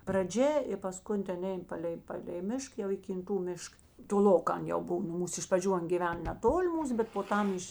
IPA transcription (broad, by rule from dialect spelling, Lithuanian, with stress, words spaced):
prɐˈd͡ʒʲɛ ɪr pɐˈskʊn ˈtʲɛn ˈɛɪn ˈpɑːlʲɛɪ ˈpɑːlʲɛɪ ˈmʲɪʃk jɛʊ iː kʲɪnˈtuː ˈmʲɪʃk toːˈlˠoːkɑː ˈɐn jɛʊ ˈbʊw nʊ ˈmuːs ɪʃ prɐˈd͡ʒʲuː ˈɐn ɡʲiːˈʋʲɛn nʲɛˈtoːlʲɪ ˈmuːs bʲɛt poː ˈtɐm ˈɪʃ